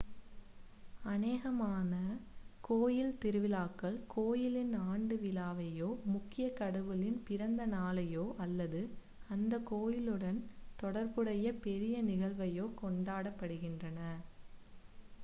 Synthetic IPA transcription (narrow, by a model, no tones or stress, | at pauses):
ɐneːɣɐmaːnɐkoːjɪlt̪ɪɾɯʋɪlaːkːɐɭkʰoːjɪlɪnaːɳɖɯʋɪlaːʋɐjoːmʊkːɪjɐkɐɽɐʋɯlɪnpɪɾɐnd̪ɐnaːlɐjoːʔɐlːɐðɯ | ɐnd̪ɐkoːjɪlɯɽɐnt̪ɔɽɐɾpɯɽɐjɐpɛɾɪjɐnɪɣɐɭʋɐjoːkɔɳɖaːɽɐpːɐɽɯɣɪndrɐnɐ